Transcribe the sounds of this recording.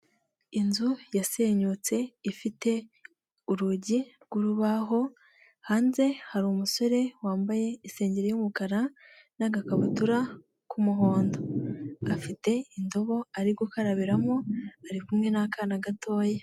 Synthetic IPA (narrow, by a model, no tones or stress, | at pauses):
inzujase̞ɲut͡se̞ifite̞ | uɾuɟiɾɡuɾuβaɦo̞ | haːnze̞haɾumuso̞ɾe̞waːmbaje̞ise̞ːɲɟeɾejumukaɾa | naɡakaβutuɾa | kʰumuɦo̞ːndo̞ɡafite̞indo̞βo̞aɾiɾɡokaɾaβiɾamo̞aɾikumŋe̞nakanaɡatʰo̞ːje